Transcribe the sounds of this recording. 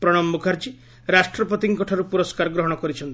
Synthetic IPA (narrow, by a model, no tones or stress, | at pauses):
pɾɔɽ̃ɔmːukʰaɾd͡ʒi | ɾasʈɾɔpɔt̪iŋkɔʈʰaɾupuɾɔskaɾɡɾɔɦɔɽ̃ɔkɔɾit͡ʃʰɔnt̪